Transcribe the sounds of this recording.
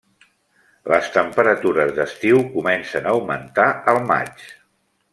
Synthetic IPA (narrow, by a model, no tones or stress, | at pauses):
ləst̪əmpəɾət̪uɾəzðəst̪iwkumɛnsənawmənt̪aəlˠma̰t͡ʃ